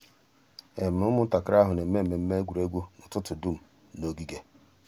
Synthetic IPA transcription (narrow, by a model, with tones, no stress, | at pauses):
e˨m̩˨ʊ˦mʊ˦n̩˦ta˨ka˦ɾa˦ɦʊ˨ne˨m̩˦me˦m̩˨me˨m̩˦me˦ɡʷu˨ɾe˦ɡʷu˦nʊ˨tʊ˦tʊ˨du˦˨m̩˨ | no˦ɡi˦ɡe˦